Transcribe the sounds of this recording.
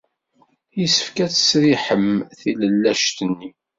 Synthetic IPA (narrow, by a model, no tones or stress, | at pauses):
jisə̥fkæt͡sə̥sɾiħəmθiləlːæʃt̪ənːi